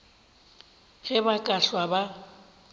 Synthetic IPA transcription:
ɣɛbakʼaɬwaba

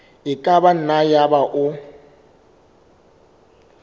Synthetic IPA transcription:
ɪkʼaban̩najabaʔʊ

